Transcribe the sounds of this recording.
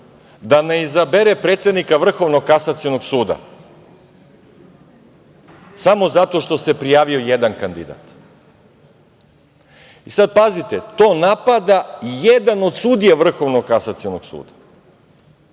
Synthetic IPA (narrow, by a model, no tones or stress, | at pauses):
d̪ane̞izabeɾepɾet̪sed̪nikaʋr̩xo̞ʋnoɡ̚kasat̪sijonoɡsuːd̪a̰ | samo̞zat̪o̞ʃt̪o̞se̞pɾijaːʋio̞jed̪ankand̪ḭd̪a̰t̪ | isad̪̚pazit̪et̪o̞ːnapad̪ajed̪ano̞d̪suːd̪ijaʋr̩xo̞ʋnoɡkasat̪sijonoɡ̥sṵːd̪ḁ